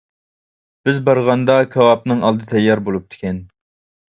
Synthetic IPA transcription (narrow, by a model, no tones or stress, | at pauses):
b̥ɪzbɑɾʁɑnd̪ɑkʲʰɛwɑp̚nɨŋɑlˠd̪ɨt̪ʰɛjːɑɾbolˠup̚t̪ʰɪ̥kʲɛn